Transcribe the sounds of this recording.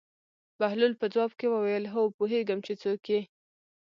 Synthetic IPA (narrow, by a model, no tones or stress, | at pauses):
b̥ahlulpəd͡zwɑbkewəwajəlɦəopoɦeɡəmt͡ʃet͡sokje